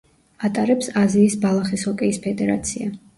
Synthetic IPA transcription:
at̪ʼaɾɛpsaziːsbalˠaχishɔkʼɛispʰɛd̪ɛɾa̰t̪sʰia

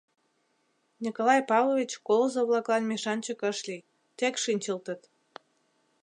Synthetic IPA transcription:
nʲikolɑjpɑβlˠoβʲit͡ɕkolˠozoβlˠɑklˠɑnmeʃɑnʲt͡ɕəkəʃli | t̪ekʃinʲt͡ɕəlt̪ət̪

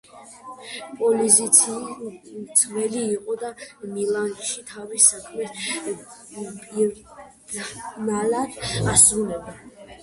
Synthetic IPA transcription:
pʼɔlizi | t̪sʰvɛliːqʼɔd̪amilˠanɡ̪ʃit̪ʰavisakʰmɛt̪ | pʼi | nalad̪asɾulɛba

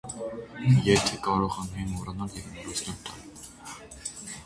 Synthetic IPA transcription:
jɛt̪ʰɛkɑɾɔʁɑnhɛmɔɾɑnɑljɛvmlut͡sʰnɛɾt̪ʰɑn

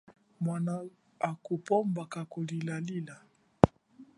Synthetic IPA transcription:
mwana | akupɔmbakakulilalila

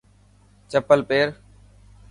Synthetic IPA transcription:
t͡ʃəpəlpeːɾ

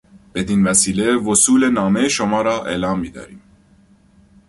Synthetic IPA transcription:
b̥e̞d̪invæsiːle̞vosuːlenɒːmejeʃomɒːɾɒːʔe̞̰ːlɑːmːiːd̪ɒ̰ːɾḭːm

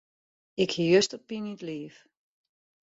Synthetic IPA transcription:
ɪkhiːjøstɔpːinitliːf

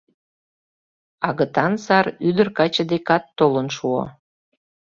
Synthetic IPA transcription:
ɑɣə̆t̪ɑnsɑɾyd̪ərkɑt͡ɕə̆d̪ekɑt̪ːolənʃuɑ̰

